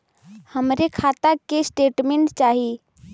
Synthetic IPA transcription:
həmɾekʰaːt̪akesʈeːʈmẽɳʈt͡ʃaːɦi

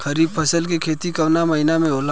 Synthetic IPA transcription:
kʰɐɾiːbpʰɐsəlkekʰeːt̪ikɐʋnamɐɦɪnamẽoːla

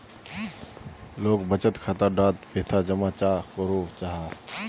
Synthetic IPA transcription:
loːkbət͡ʃət̪kʰat̪əɖaːt̪peːt̪ʰad͡ʒəmat͡ʃaːkoɾot͡ʃaɦaː

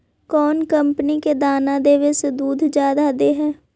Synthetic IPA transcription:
kɔːnkəmpəniked̪aːnad̪eːʋesed̪uːd̪ʱd͡ʒjaːd̪ad̪eɦɛː

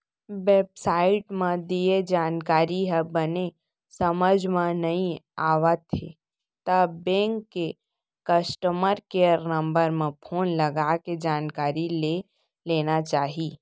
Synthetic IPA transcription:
ʋeːbsaːɪʈmẽd̪ied͡ʒaːnkaːɾiɦɛbəne | səməd͡ʒʱmẽnɐɦĩaːʋət̪ɦe | t̪əbẽːŋkːe | kəsʈəməɾkejəɾnə̃mbəɾmẽpʰoːnləɡaked͡ʒaːnkaːɾile | leːnat͡ʃaːɦiː

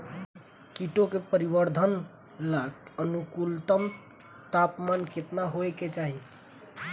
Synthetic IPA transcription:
kiʈokepəɾibəɾd̪ʱən | laɡənukult̪əm | t̪apmanket̪naɦoeket͡ʃaɦi

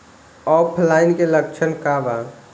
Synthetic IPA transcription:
ɔːpʰlaːɪnkeləkt͡ʃʰənkaːba

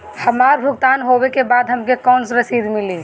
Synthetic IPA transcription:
hɐmaːɾbʱʊk̚t̪aːnɦowekebaːd̪ɦɐmkekɔːnsɾɐsiːd̪mɪliː

